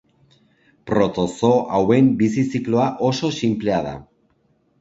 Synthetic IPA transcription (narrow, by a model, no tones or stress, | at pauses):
pɾo̞t̪o̞soʔawe̞mbisisikloaʔo̞so̞simple̞að̞a̰